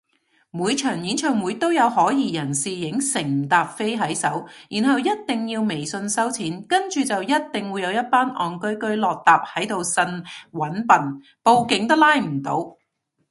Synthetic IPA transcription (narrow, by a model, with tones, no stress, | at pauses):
muː˨˧jt͡ʃʰœː˨˩ŋjiː˨˥nt͡ʃʰœː˨˩ŋmu˨˧jt̪o˥wjɐ˨˧whɔː˨˥jiː˨˧jɐ˨˩nsiː˨jɪ˨˥ŋsɪ˨˩ŋt̪aː˨p̚fe˥jɦɐ˨˥jsɐ˨˥wjiː˨˩nɦɐ˨wjɐ˥t̚t̪ɪ˨ŋjiː˧wme˨˩jsɵ˧nsɐ˥wt͡sʰiː˨˥nkɐ˥nt͡ʃyː˨t͡sɐ˨wjɐ˥t̚t̪ɪ˨ŋwu˨˧jɐ˨˧wjɐ˥t̚paː˥nʔɔː˨nkɵ˥ɥkɵ˥ɥlɔː˨k̚t̪aː˨p̚hɐ˨˥jt̪o˨wsɐ˧nwɐ˨˥npɐ˨n | po˨˧wkɪ˨˥ŋt̪̬ɐ˥laː˥jm̩˨˩t̪o˨˧˥w